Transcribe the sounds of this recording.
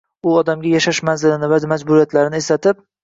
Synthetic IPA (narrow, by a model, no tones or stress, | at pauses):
ʊɒd̪amɡʲajaʃaʃmanzɪlɪnɪvamad͡ʒbʊɾijat̪ʰlaɾɪnɪeslat̪ʰɪp̚